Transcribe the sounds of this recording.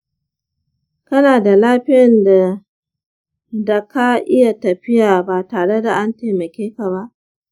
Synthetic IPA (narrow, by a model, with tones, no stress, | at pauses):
kɐ˦naː˨da˨laː˦ɸɪ˦jɐ˨nda˨ | da˨ka˦ʔɪ˦ja˨tɐ˨ɸɪ˦jaː˨baː˨taː˨ɽe˦da˨ʔa˦nteː˨mɐ˨kʲeː˦ka˨βa˦ʔ